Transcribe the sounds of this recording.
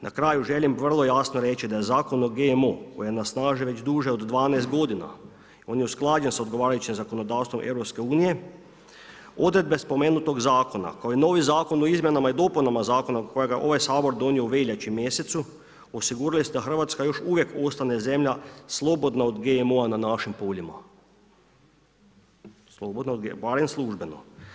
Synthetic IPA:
nʔakɾaːjuʒe̞limʋr̩lˠo̞jasnoɾe̞t͡ʃid̪ajezaːko̞noɡemoko̞jijenasnaːʒiʋe̞d͡ʑd̪uːʒeod̪d̪ʋaːnajst̪ɡo̞d̪ina̰ | o̞ːnjeusklˠaːd͡ʒensaod̪ɡoʋaːɾajut͡ʃimzako̞no̞d̪aːwst̪ʋo̞mʔe̞̰ʋɾo̞pske̞uːnije̞ | o̞d̪ɾe̞d̪bespo̞meːnut̪o̞ɡzaːko̞na̰kaoino̞ːʋizaːko̞noizmjenamaid̪o̞punamazaːko̞nakojeɡaʔo̞ʋajsaːbo̞ɾd̪o̞niouʋeʎʲet͡ɕimjeset̪su | osiɡuːɾalised̪axr̩ʋaːt̪skajo̞ʃuʋjeko̞st̪aneze̞mʎaslˠo̞bo̞d̪naod̪ɡemoananaʃimpoːʎima̰ | slˠobod̪naod̪ɡebaɾemslˠuʒbeno̰

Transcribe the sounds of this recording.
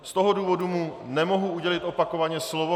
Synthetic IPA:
st̪o̞ɦoduːvo̞dumunɛmo̞ɦuuɟɛlɪt̪ʔo̞pako̞vaɲɛslovo

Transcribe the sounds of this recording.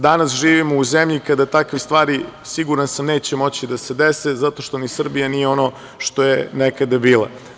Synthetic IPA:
d̪anasʒiːʋimouzemʎikad̪at̪akʋist̪ʋaːɾisiɡuɾansamne̞ːt͡ɕemo̞t͡ɕid̪ase̞d̪esezat̪o̞ʃt̪o̞nisr̩bijanijeo̞no̞ | ʃt̪o̞jenekad̪abiːlˠa̰

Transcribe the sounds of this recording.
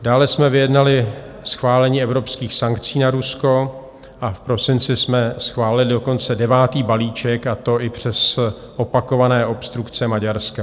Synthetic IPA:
daːlɛsmɛvɪjɛdnalɪ | sxvaːlɛɲiːɛvɾo̞pskiːxsaŋkt͡siːnaɾusko̞ | ʔafpɾo̞sɪnt͡sɪsmɛsxvaːlɪlɪdo̞ko̞nt͡sɛdɛvaːt̪iːbaliːt͡ʃɛkat̪o̞ʔɪpr̝̥ɛs | ʔopako̞vanɛːʔo̞pst̪ɾukt͡sɛmaɟaɾska

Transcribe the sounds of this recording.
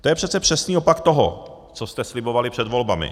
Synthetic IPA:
t̪ojɛpr̥ɛt͡sɛpr̝̥ɛsniːopakt̪oɦo̰ | t͡sost̪ɛslɪbo̞valɪpr̥ɛd̪vo̞lbamɪ̰

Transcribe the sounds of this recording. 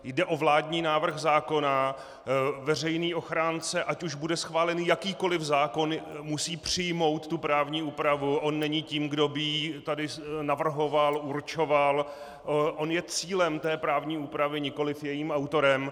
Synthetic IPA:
jdɛʔo̞vlaːdɲiːnaːvr̩xzaːko̞na | vɛr̝ɛjniːʔo̞xɾaːnt͡sɛʔacuʒbudɛsxvaːlɛnjakiːko̞lɪfzaːko̞nmusiːpr̝̥ɪjmo̞wt̪t̪ːupɾaːvɲiːʔuːpɾavuʔo̞nːɛɲiːciːmɡdo̞bɪjit̪adɪnavr̩ɦo̞valʔuɾt͡ʃo̞val | ʔo̞njɛt͡siːlɛmt̪ɛːpɾaːvɲiːuːpɾavɪɲɪko̞lɪfjɛjiːmʔawt̪o̞ɾɛm

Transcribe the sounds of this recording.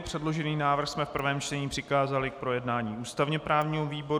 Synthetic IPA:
pr̥ɛdlo̞ʒɛniːnaːvr̩xsmɛfpr̩vɛːmt͡ʃt̪ɛɲiːpr̥ɪkaːzalɪk̚pɾo̞jɛdnaːɲiːʔuːst̪avɲɛpɾaːvɲiːɦoviːbo̞

